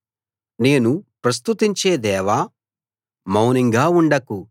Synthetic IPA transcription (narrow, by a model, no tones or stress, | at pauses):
ne̞ːnupɾɐst̪ut̪iɲt͡ʃe̞ːd̪ɛːʋa | mɐwniŋɡaːuɳɖɐku